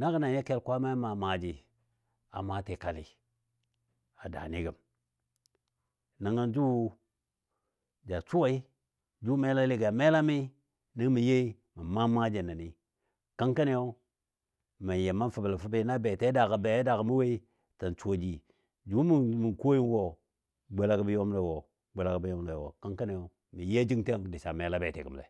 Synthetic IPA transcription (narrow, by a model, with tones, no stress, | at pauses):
na˦ɡə˦na˨je˦ke˦lkwa˦ma˦ma˨ma˨d͡ʒi˨ | a̰˨ma˦te˨ka˨lḭ˨ | a˨da̰˨ni˦ɡə˨m | nə˨ŋə˦nd͡ʒu˦ | d͡ʒa˨t͡ʃu˦wa˨i˦ | d͡ʒu˦me˦la˦li˨ɡa˨me˦la˦mi˦ | nə˦ŋmi˨je˦ | mə˨ma˦ma˦d͡ʒi˨na˨ni˨ | ka˦ŋka˦ni˦jo˦ | mi˨je˨mːa˦n˦fu˨bla˨fu˦be˦na˦be˨te˦da˨ka˨be˨˦da˨ka˨mi˦we˦i˦ | ta˨n˨t͡ʃo˦d͡ʒi˨ | d͡ʒu˦mi˨mi˨nko˦ji˦n˦wo˨ | ɡ͡be˨la˦kə˦bi˦jo˦m˦le˨wo˨ | ɡ͡be˨la˦kə˨bi˦jo˦mle˨wo̰˨ka˦ŋka˦ni˨jo˦ | mi˨je˦d͡ʒi˦ŋte˦ŋdi˨ʃa˨me˨la˦be˨tḛ˨kḭ˨m˨lḛ˨